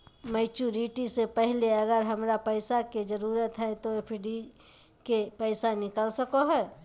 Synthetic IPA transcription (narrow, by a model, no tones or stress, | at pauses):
mɛɪt͡ʃuɾiʈisepɛɦleəɡəɾɦəmɾapɛɪsaked͡ʒəɾuːɾət̪ɦɛt̪opʰɪɖi | kepɛɪsanɪkəlsəkoɦɛː